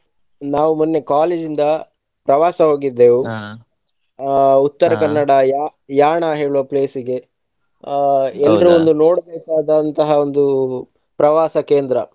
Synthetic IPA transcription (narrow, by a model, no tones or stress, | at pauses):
naːʋumunːe̞kaːleːd͡ʒind̪ɐ | pɾɐʋaːsɐɦoːɡid̪ːeːʋu | ut̪ːɐɾɐkɐnːɐɽɐjaːjaːɳaɦe̞ːɭuʋɐpleːsiɡe̞ | ɛlːɾuond̪uno̞ːɽbeːkaːd̪ɐnt̪ɐɦɐond̪u | pɾɐʋaːsɐkeːnd̪ɾɐ